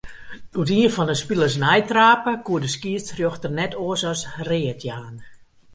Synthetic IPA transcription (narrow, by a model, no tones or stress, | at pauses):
utiːfɔndəspilˠəsnɛjtraːpəkuədəskiəstrjoxtərnɛtʰoəsɔsrɪːətʰjaːn